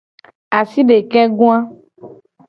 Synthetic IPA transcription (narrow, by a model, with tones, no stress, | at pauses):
a˨si˦ɖe˨kɛ˦ɡũ˦ã˦